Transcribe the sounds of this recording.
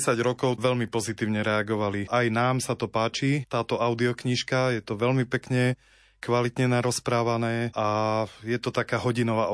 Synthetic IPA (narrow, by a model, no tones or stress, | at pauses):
saɟɾɔkɔʊʋɛʎmipɔzit̪iːʊɲɛɾɛaɡɔʋaliʔajnaːmsat̪ɔpaːt͡ʃit̪aːt̪ɔʔaʊd̪iɔkɲiʃkajɛt̪ɔʋɛlmipɛkɲɛ | kʋalit̪ɲɛnaɾɔspɾaːʋanɛːʔajɛt̪ɔt̪akaːɦɔɟinɔʋa